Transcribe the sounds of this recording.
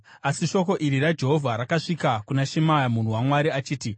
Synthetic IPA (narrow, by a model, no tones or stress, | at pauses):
asiʃo̞ko̞ʔiɾirad͡ʒe̞ɦo̞vʱaɾakaʂikakunaʃemajamun̤uwamwaɾiat͡ʃiːti